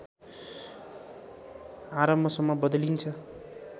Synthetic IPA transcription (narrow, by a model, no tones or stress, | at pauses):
aɾʌmbʱʌsʌmːʌbʌd̪lint͡sʰʌ